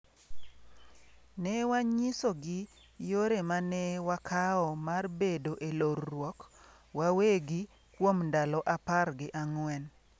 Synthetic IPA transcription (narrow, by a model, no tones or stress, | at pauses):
nɛwaɲisoɡɪ | joɾemanɛwakʰaɔmarbedoʔeloɾːwɔk | waweɡɪ | kwomndalɔʔaparɡɪʔaŋwɛn